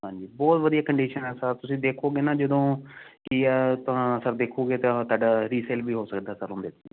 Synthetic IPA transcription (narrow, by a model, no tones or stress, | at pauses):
ɦãːɲd͡ʒiːbɔːt̪ʋəd̪ijaːkəɳɖiːʃənɛːsaːɾt̪ʊsĩːd̪eːkʰoːɡeːnãːd͡ʒəd̪õːkɪt̪ãsəɾd̪eːkʰoːɡeːt̪ãt̪oaːɖaːɾiːsɛːlʋiːɦoːsəkd̪aːsəɾɦʊ̃nd̪eːt̪e